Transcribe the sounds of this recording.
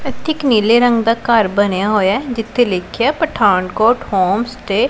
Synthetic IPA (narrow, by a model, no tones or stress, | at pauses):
ət̪ʰɪkniːleːɾə̃ŋɡd̪aːkəɾbənjaːɦoːjaɛd͡ʒɪt̪ʰːeːleːkʰjaːpəʈʰaːɳkɔːʈhɔːmst̪eː